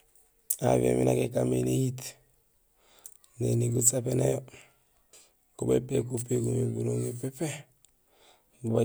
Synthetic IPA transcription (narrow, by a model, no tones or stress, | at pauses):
aviḛminakekamenejit | neniɡusapenejo | kubepekupekumebuɾoŋepepe | uba